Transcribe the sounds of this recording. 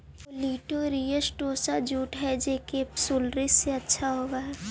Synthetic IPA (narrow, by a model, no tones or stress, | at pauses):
oliːʈoɾijəsʈoːsad͡ʒuːʈɦɛd͡ʒeːkesuːlɾɪseɐtːʃʰaɦoːɡaɦɛː